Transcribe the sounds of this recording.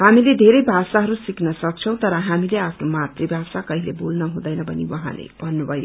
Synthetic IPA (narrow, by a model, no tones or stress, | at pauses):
ɦhamiled̪ʱeɾʌjbʱasaɦʌɾusiknʌsʌk̚t͡sʰʌw̃t̪ʌɾʌɦamileapʰnomat̪ribʱasakʌɦilebolnʌɦũd̪ʌjnʌbʱʌnḭwʌɦã̰lḛb̥ʱʌnːubʱʌjo